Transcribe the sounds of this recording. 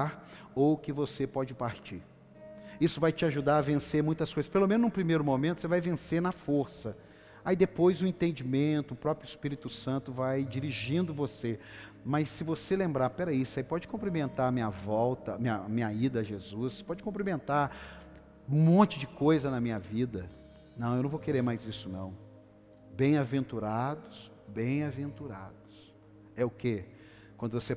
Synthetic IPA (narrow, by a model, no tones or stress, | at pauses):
ɾ | owkɪvosepɔd͡ʒɪpaɾt͡ʃḭɾ | isʊvajt͡ʃɪaʒud̪aɾɐvẽseɾmũj̃t̪ɐskojzɐspelomẽnʊznũpɾimejɾʊmõmẽt̪ʊsevajvẽseɾnɐfoɾsɐ | aid̪epojzʊẽnt̪ẽnd͡ʒimẽnt̪ʊːpɾɔpɾjʊispiɾit̪ʊsɐ̃nt̪ʊvajd͡ʒiɾiʒĩnd̪ʊvosemɐsːɪvoselẽmbɾaɾpɛɾɐisʊaipɔd͡ʒɪkõmplimẽnt̪aɾɐmĩɲɐvɔwt̪ɐmĩɲɐːmĩɲɐid̪ɐːʒezuspɔd͡ʒɪkõmplimẽnt̪aɾ | mõnt͡ʃɪd͡ʒɪkojzɐnɐmĩɲɐvid̪ɐ | nɐ̃w̃ewnɐ̃w̃vowkeɾeɾmajzisʊnɐ̃w̃ | bẽj̃avẽnt̪uɾad̪ʊs | bẽj̃avẽnt̪uɾa̰d̪ʊs | ɛʊke | kwɐ̃nd̪ʊvose